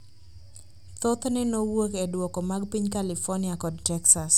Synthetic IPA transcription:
t̪ɔt̪nɛnowokɛdwɔkɔmaɡpiɲkalɪfɔnɪakɔdtɛksas

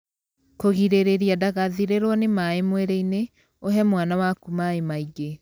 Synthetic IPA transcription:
koɣiɾeɾeɾiadaɣaðiɾeɾwɔnemaemwɛɾɛine | oɦɛmwanawakumaemaiɡe

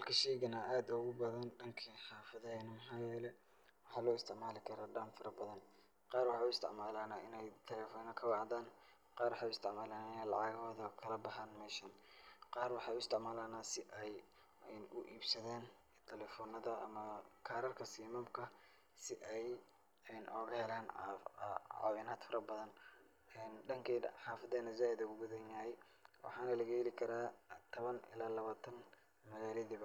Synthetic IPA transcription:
hɐlkʰɐʃɛːɣɐnɐʔaːd̪ʊɣʊbɐðɐnɖɐŋkʰiħɑːfɐðɐhɛːnɐmɐħɑːjɛːlɛ | wɑħɑːlɔːɪst̪ʰɪʕmaːlɪkʰɐɾɔːɖɐnfɐɾɐbɐðɐn | qɑːrwɑħɑːʊɪst̪ʰɪ̰ʕmaːlaːnaːʔɪnɛjt̪ʰɐlɛːfɔːnɐkʰɐwɑʕðaːn | qɑːrwɑħɑːjʊɪst̪ʰɪʕmaːlaːnaɪnalɑ̰ʕɑːɣɔːðɐkʰɐlɐbɐɦaːnmɛʃɐnqɑːrwɑħɑʊɪst̪ʰɪʕmaːlaːnaːsɪʔɛj | nʊʔiːbsɐðɛːn | t̪ʰɛlɛfɔːnɐðɐʔɐ̰mɐkʰɐɾɐrkʰɐsiːmɐmkʰɐ | sɪʔɛj | ɛnʔɔːɣɐhɛlaːn | ʕɑ̰ːwɪnaːd̪fɐɾɐbɐðɐn | ɛːnɖɐŋkʰiːħɑːfɐðɛːnɐzaːɪðɐʊɡʊðɐnjahɛj | wʔɑ̰ħɑːnɐlɐɣɐɛlɪkʰɐɾaːt̪ʰɔβɐnɪ̰laːlɐβaːt̪ʰɐn | mɐɣaːlɐðiβɐ

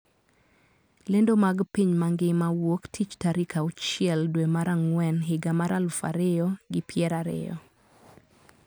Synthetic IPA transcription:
lendomaɡpiɲmaŋɡɪmawoktʰit͡ʃtaɾikʰaʊt͡ʃɪɛldwemaɾaŋwɛnɦɪɡamaɾalʊfa̰ɾɪjɔɡɪpjɛɾaɾɪ̰jɔ̰

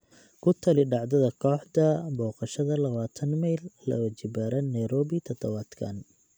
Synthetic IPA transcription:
kʰʊt̪ʰɐlɪɖɑʕd̪ɐðɐkʰɔːħd̪ɐbɔːqɑʃɐðɐlɐβaːt̪ʰɐnmɛjlːɐ̰wɐt͡ʃɪbaːɾɐnɐjɾɔːβɪt̪ʰɔd̪ɔβaːd̪kʰɐ̰n

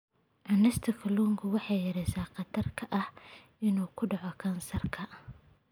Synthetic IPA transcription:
ʔɐnɛst̪ʰɐkʰɐluːŋɡʰʊwɑħɑjjɐɾɛjsaːqɑt̪ʰɐrkʰɐʔɐhʔɪnuːkʰʊɖɑʕɔkʰɐnsɐrkʰɐ

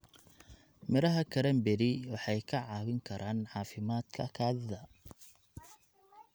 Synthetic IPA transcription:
mɪɾɐɦɐkʰɐɾɐmbɛɾɪwɑħɑjkʰɐʕɑːwɪŋkʰɐɾʔaːnʕɑːfɪmaːd̪̥kʰɐ̰kʰaːðɪðɐ

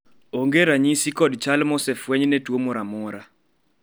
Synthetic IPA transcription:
oŋɡeɾaɲisikɔdt͡ʃalmɔsɛfwɛɲnetwomɔɾamɔɾa

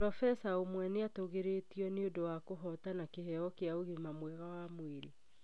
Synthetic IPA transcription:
pɾɔfɛsaomwɛneatoɣeɾetiɔneodowakoɦɔtanakehɛɔkeaoɣimamwɛɣawamweɾe

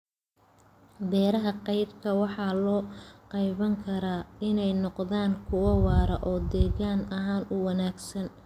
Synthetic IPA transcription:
d̪ɛːɾɐɦɐqɑjbkʰɐwɑħɑːlɔːqɑjβɐŋkʰɐɾaːɪnɛjnɔqðaːŋkʰʊwɐwɑːɾɐʔɔːd̪ɛːɣaːnɐɦaːnʊwɑnaːɡsɐn

